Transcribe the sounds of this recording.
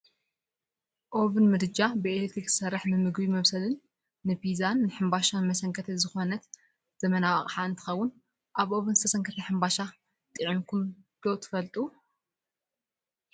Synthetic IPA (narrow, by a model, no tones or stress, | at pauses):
ʔo̞βɨnmɨd̪ɨd͡ʒabɨelet̪ɾikzɨ̥sɐrːɨħnɨmɨɡbimɐβsɐlɨnː | ɨbizanːɨħɨmbaʃanɨmɐsɐŋkʰɐt̪ʰɐzɨxo̞nɐt̪ | z̥ɐmɐnawakʼħaɨnt̪ʰɨ̥xɐwːʊn | ʔaβʔo̞βɨnzɨt̪ʰɐsɐŋkʰɐt̪ʰɐħɨmbaʃa | t̪ʼɨʕimkʰumd̪̥o̞t̪ʰɨ̥fɐlt̪ʼu